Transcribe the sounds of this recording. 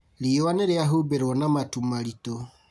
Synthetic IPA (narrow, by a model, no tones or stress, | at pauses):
liwaneɾeaɦubeɾwɔnamatumaɾito